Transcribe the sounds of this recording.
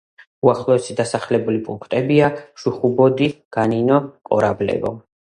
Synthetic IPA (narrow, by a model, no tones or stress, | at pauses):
uaχlˠɔɛsid̪asaχlɛbulipʼuŋkʰt̪ʼɛbiaʃuχubɔd̪iɡ̥aninɔqʼɔ̰ɾablɛ̰vɔ̰